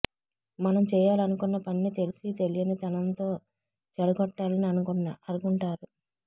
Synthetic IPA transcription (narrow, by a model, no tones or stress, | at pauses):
mɐnɐmt͡ʃɛːjaːlɐnukunːɐpɐninit̪e̞lisit̪e̞lijɐnit̪ɐnɐnt̪o̞ː | t͡ʃɐɽɐɡɔʈːaːlɐniɐnukunːɐɐɾuɡuɳʈaːɾu